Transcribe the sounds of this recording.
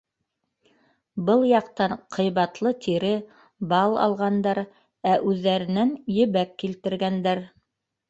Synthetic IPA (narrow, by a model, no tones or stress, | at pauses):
bɤlˠjɑqt̪ɑɴqʰɤ̆jβɑt̪lˠɤt̪ʰiɾɘ | bɑlˠɑ̰lˠʁɑnd̪ɑɾ | æʔʉðːæɾɘ̆nænjɵ̆βækːilt̪ɘ̆ɾɡænd̪æɾ